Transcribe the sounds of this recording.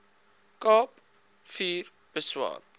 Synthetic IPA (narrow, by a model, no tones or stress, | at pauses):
kɑːp | fiːr | b̥əswɑ̰ː